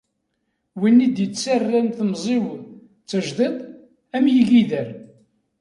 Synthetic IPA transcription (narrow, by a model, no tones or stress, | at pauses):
winːid̪jət͡sːarːænθəmzˤiw | t͡sːəʒðˤet̪ˤ | æmjəʝiðəɾ